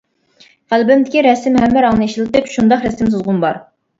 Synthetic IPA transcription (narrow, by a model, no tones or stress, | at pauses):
ʁælbɪmd̪ɪkʲiɾɛsɪmhɛmːæɾɑŋnɨeʃilˠɨt̪ɨpʃund̪ɑχɾɛsɪms̬ozʁʊnbɑɾ